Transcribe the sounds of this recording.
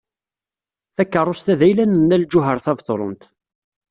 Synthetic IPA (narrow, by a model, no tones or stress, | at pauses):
θækːərˤost̪æðæjlænənːæld͡ʒʊɦəɾˤθævθoɾˤə̰nt̪